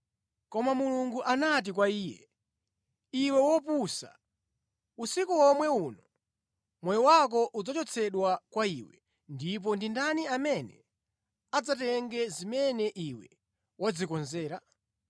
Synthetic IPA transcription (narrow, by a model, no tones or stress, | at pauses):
kɔmamuluŋɡuʔanat̬ik̬waiːjɛ̰ | iwɛwɔpusa̰ | usikuɔmwɛuːnɔ | mwɛjɔwak̬ɔʔud͡zɔt͡ʃɔt͡sʰɛɗwakwaiːwɛ | ndip̬ɔndindaniamɛnɛ̰ | ad͡zatɛŋɡɛzimɛnɛʔiwɛ | wɔd͡zikɔnzɛːɾa